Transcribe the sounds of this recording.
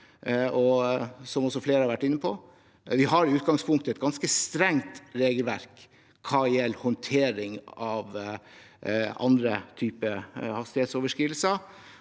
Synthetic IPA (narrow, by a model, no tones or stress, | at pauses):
ɔsɔmɔsɔfleːɾəhɑɾʋæʈːɪnːəpʰɔ | ʋɪɦɑɾɪʉːt̪̚ɡɑŋspʰʊŋk̚t̪əɛt̪̚ɡɑnskəst̪ɾɛŋt̪ɾeːɡəlʋæ̰ɾk | kʰːɑːɪɛlhɔnt̪ʰeːɾɪŋɑʋ | ɑ̰nd̪ɾət̪ʰyːpəhɑst̪ɪheːt̪soːʋəʂkɾiːʋl̩sə